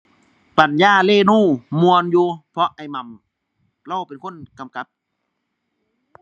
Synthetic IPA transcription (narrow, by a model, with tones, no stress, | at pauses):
pa˨njaː˧˩˨leː˧˥˨nuː˥˩mu˧ənjuː˧pʰɔ˧ʔa˨˩jma˨˩m | la˧˩˨pe˨nkʰo˧˥˨nka˨mka˧˦p̚